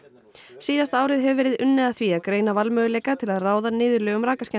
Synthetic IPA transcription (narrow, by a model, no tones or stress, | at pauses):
siːðast̪aːwɾɪðɦɛvʏvɛːɾɪðʏnːɛðaθviaðkɾeːjnavalmœːɣʏleːjkat̪ʰɪlaðraːwðanɪːðʏɾlœːɣʏmɾaːkascɛ